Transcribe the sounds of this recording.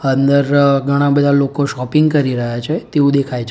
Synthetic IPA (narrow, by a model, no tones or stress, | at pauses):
ənd̪əɾɡʱəɽ̃ãbəd̪ʱalokoʃɔpɪŋɡkəɾiɾəɦjat͡ʃʰet̪eʋũd̪ekʰajt͡ʃʰ